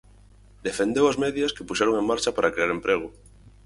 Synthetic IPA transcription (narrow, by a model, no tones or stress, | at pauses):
d̪efẽ̞nd̪ewazmeðjaskepuʃeɾo̞ŋe̞ŋmaɾt͡ʃapaɾakɾeaɾe̞mpɾeɣ̞o